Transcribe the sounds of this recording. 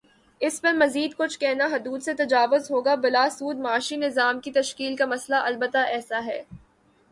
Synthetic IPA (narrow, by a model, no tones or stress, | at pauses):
ɪspɐɾmɐziːd̪kʊt͡ʃʰkɛɦnaɦʊd̪uːd̪set̪ɐd͡ʒaːʋʊzɦoːɡabɪlaːsuːd̪maːʃinɪzaːmkit̪ɐʃkiːlkamɐslaʔɐlbət̪aʔɛːsaɦɛː